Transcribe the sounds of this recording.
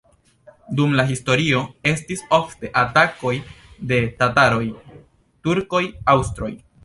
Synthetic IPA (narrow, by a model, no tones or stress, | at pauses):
dumlaɦisto̞ɾio̞e̞stisofte̞ʔatako̞jde̞tataɾo̞j | tuɾko̞jawstɾo̞̰j